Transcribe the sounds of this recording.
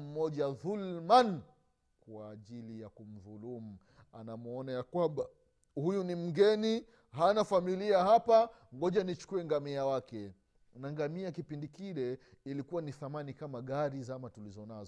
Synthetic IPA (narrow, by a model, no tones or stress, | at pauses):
m̩mɔʄaðulman | kwaːʄilijakum̩ðulumu | anamuɔnajakwamba | hujunim̩ɡɛni | ɦanafamiliahapa | ŋɡɔʄanit͡ʃu̥kuɛŋɡamiawakɛ | naŋɡamiakipindikilɛ | ilikuwaniθamanikamaɠaɾizamatulizɔnazɔ